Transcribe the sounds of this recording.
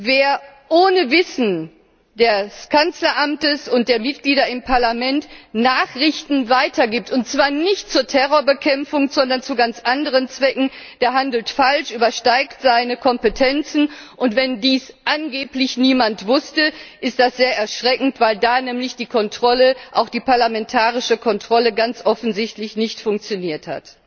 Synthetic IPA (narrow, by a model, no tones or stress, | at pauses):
veːɐ | ʔoːnəvɪsn̩ | d̥ɛskʰant͡slɐʔamtəsʊnt̚d̥eːɐmɪt̚ɡ̥liːdɐɪmpʰaɐlamɛntnaːχʁɪçtn̩vaɪtɐɡiːp̚tʊntt͡sv̥aːɐnɪçt̚t͡suːɐtʰɛʁoːɐbəkʰɛmfʊŋzɔndɐnt͡suɡant͡sʔandəʁ̞ənt͡sv̥ɛkŋ̩d̥eːɐɦandl̩tfalʃʔyːbɐʃtaɪktz̥aɪnəkʰɔmpətʰɛnt͡sn̩ʔʊntv̥ɛndiːsʔanɡeːplɪçniːmantv̥ʊstəʔɪst̚d̥asz̥eːɐʔɛɐʃʁ̥ɛkŋ̩tv̥aɪldaːnɛːmlɪçd̥iːkʰɔntʁ̥ɔləʔaʊxd̥iːpaɐlamɛntʰaːʁɪʃəkʰɔntʁ̥ɔləɡant͡sʔɔfn̩zɪçtlɪçnɪçtfʊŋk̚t͡sjoniːɐtha̰t